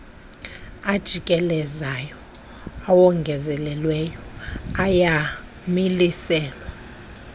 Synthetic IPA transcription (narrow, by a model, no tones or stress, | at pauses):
ad̥ʒ̥ʱikʼɛlɛzajɔ | awɔŋɡʱɛzɛlɛlwɛjɔaja | milisɛːlwa